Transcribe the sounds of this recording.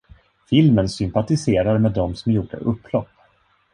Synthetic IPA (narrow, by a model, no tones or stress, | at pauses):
fɪlmənsʏmpat̪ɪseːɾaɾmeːd̪ːɔmsɔmjuːɖə̰ʔɵpːlɔpː